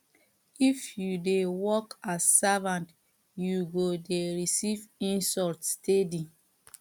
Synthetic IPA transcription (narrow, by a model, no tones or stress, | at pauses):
ifjudewɔkasːavãnt | juɡodeɹisivĩnsɔltstedi